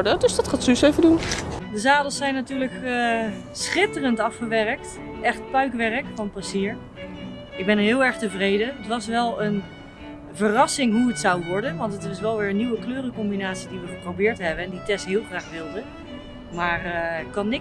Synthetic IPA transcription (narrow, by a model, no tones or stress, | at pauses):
dədɵsdɑtχaːtysejvədundəzaːdəlˠsɛjnːatyːɹləkə | sχɪtərəntɑfχəʋɛrək̚t | ʔɛχtpœɥkʋɛrəkfɑnpasiəɹ | ɪɡ̚bɛnəɹɦɪːlˠɛɹχtəvrejdənətʋɑsʋɛlˠən | vərɑsɪŋɦuətsɑwʋɔɹdənʋɑntətɪsʋɛlˠʋɪːɹənːiwəkløːrəkɔmbinaːtsidiʋəχəprowbɪːɹtɦɛbənɛnditɛstɦɪːlˠχraːχʋɪlˠdə | maːrkɑnɪ